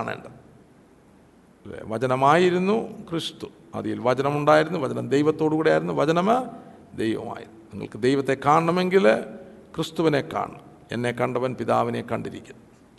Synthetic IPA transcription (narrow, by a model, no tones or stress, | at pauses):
ɳḛːɳɖɐ | ḛʋɐt͡ɕɐnɐmaːjiɾunːukrist̪u̥ | ɐ̰ðijilʋɐt͡ɕɐnɐmuɳɖaːjiɾunːuʋɐt͡ɕɐnɐmd̪ejʋɐt̪ːoːɽɨkuːɽejaːjiɾunːuʋɐt͡ɕɐnɐm | d̪ejʋɐ̰ma̰ːjiɾunːuniŋːɐ̰ɭkɨd̪ejʋɐt̪ːe̞kːaːɳɐɳɐme̞ŋɡil | krɨst̪uʋine̞kːa̰ːɳɐm | ḛnːe̞kːɐɳɖɐʋɐnpiðaːʋine̞kːɐɳɖiɾḭkʲːunːɐ